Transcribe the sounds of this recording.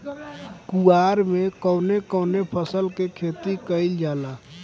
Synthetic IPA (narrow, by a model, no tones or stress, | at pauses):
kuaːɾmẽkəʊnekəʊnepʰəsəlkekʰeːt̪ikəɪld͡ʒaːla